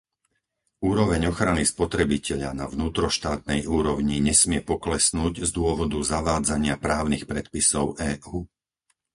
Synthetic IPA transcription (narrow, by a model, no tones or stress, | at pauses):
uːɾɔʋɛɲɔxɾanispɔt̪ɾɛbicɛʎa̰naʋnuːt̪ɾɔʃt̪aːt̪̚nɛjuːɾɔʊɲiɲɛsmɪɛpɔklɛsnuːɟzd̪ʊɔʋɔd̪uzaʋaːd͡zaɲɪapɾaːʊnixpɾɛt̪pisɔʊɛːʔuː